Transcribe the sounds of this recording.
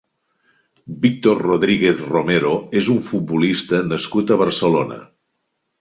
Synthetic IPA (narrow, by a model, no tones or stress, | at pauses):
bik̚t̪orroðɾiɣeθromeɾoezuɱfut̪̚bulist̪ənəskut̪əβəɾsəlonə̰